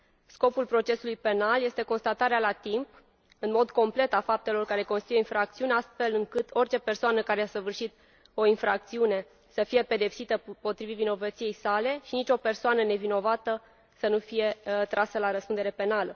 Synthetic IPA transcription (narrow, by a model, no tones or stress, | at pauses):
sko̞pulpɾo̞t͡ʃe̞sulujpe̞nalje̞st̪e̞ko̞nst̪at̪aɾealat̪imp | ɨnmo̞d̪ko̞mple̞t̪afap̚t̪e̞lo̞rkaɾe̞ko̞nst̪ujoinfɾakt̪siuneast̪fe̞lɨŋkɨt̪o̞rʲt͡ʃe̞pe̞rsoanəkaɾeasəvɨrʃit̪ | o̞infɾak̚t̪siune̞ | səfije̞pe̞d̪e̞psit̪əpo̞t̪ɾivivino̞vət̪sije̞jsale̞ʃinit͡ʃʲo̞pe̞rsoanəne̞vino̞vat̪ə | sənufije̞t̪ɾʔasəlaɾəspund̪eɾe̞pe̞nalə